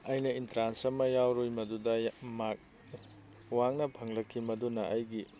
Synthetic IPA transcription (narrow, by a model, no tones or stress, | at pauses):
ɐjnɐintɾansɐmɐjawɾojmɐdudɐmak̚ | waŋnɐpʰɐŋlɐkʰːimɐdunɐʔɐjɡi